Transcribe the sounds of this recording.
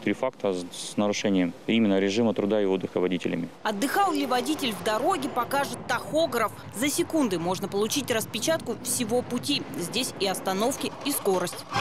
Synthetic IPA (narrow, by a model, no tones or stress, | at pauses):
t̪ɾʲifak̚t̪əsnəɾʊʂɛnʲɪjəmimʲɪnːəɾʲɪʐɨmət̪ɾʊd̪aɪod̪ːɨxəvɐdʲitʲɪ̰lʲɪ̰mʲɪɐd̪ːɨxɑlˠlʲɪvɐdʲitʲɪlʲvd̪ɐɾo̞ɡʲɪpɐkaʐɨt̪ːɐxo̞ɡɾəf | zəsʲɪkund̪ɨmo̞ʐnəpəlˠʊt͡ɕitʲrəspʲɪt͡ɕat̪kʊfsʲɪvo̞pʊtʲizʲdʲesʲɪɐst̪ɐno̞fkʲɪisko̞ɾəsʲtʲ